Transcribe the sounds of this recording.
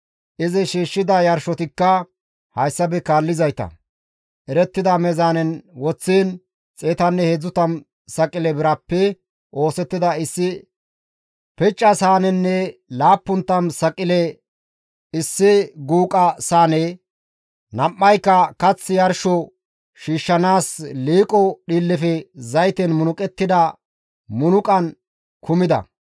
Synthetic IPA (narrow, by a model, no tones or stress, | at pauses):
ʔɪzɪʃiːʃːɪd̪ɐjɐɾʃɔt̪ɪkːɐ | hɐjsːɐbɛkaːlːɪzɐjt̪ɐ̰ | ʔɛɾɛt̪ːɪd̪ɐmɛzaːnɛnwɔt͡sːiːn | t͡sʼeːt̪ɐnːɛheːd͡zːʊt̪ɐm | sɐkʼːɪlɛbɪɾɐpːɛ | ʔo̞ːsɛt̪ːɪd̪ɐɪsːɪ | pɛt͡ʃʼːɐsaːnɛnːɛlaːpːʊnt̪ːɐmsɐkʼɪlɛ | ɪsːɪɡuːkʼɐsaːne | nɐmːɐjkːɐkɐt͡sːɪjɐɾʃɔ | ʃiːʃːɐnaːsliːkʼɔɗiːlːɛfɛzɐjt̪ɛnmʊnʊkʼɛt̪ːɪd̪ɐ | mʊnʊkʼɐn | kʰʊmɪd̪ɐ̰